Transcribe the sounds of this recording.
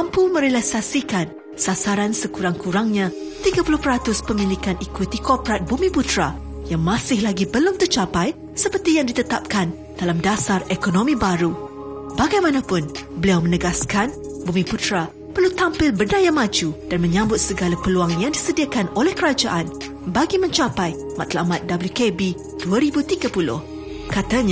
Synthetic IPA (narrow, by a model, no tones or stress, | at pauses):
ampumə̃ɾelasasikan | sasaɾansəkuɾaŋkuɾaŋɲã | t̪iɡapulʊhpəɾat̪ʊspəmĩlikanʔikwit̪ikɔpɾat̪̚bumĩput̪ɾa | jaŋmãsɪhlaɡibəlʊmt̪ərt͡ʃapaj | səpərt̪ijaŋdit̪ət̪ap̚kan | d̥alamdasarekonõmĩbaɾu | baɡajmãnapʊnbəliawmə̃nəɡaskan | bumĩput̪ɾa | pərlut̪ampɪlbərnajamãd͡ʒud̥anmə̃ɲãmbʊt̪̚səɡalapəluaŋjaŋdisədiakanolɛhkəɾad͡ʒaʔan | baɡimə̃ɲt͡ʃapaj | mat̪la̰mat̪̚dabəljukebi | d̥uaɾibut̪iɡapulʊ̰h | kat̪aɲ